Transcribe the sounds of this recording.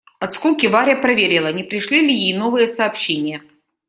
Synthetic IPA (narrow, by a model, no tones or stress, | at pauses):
ɐt̪skukʲɪvaɾʲɐpɾɐvʲeɾʲɪlˠənʲɪpɾʲɪʂlʲilʲɪjejnovɨjəsɐːpɕːenʲɪjə